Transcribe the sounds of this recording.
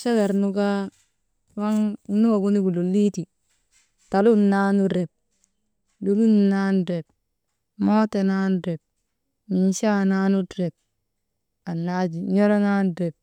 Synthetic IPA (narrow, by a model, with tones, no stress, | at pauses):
ʃe˦ɡe˨ɾnu˦ka˦ | wa˦ŋ˦nu˦ɡa˨ɡu˦ni˦ɡu˨lu˨li˦ti˨ | ta˨lu˦n˨na˦nu˦ɾe˨p̚ | du˨lu˦n˨na˦n˦ɾe˨b | moː˦te˨na˦nu˦ɾe˨b̚ | mi˨n˦ʃa˦na˦nu˦tɾe˨b̚ | a˨nla˦d͡ʒi˨ɲo˦ɾa˦na˦n˨ɾe˨p̚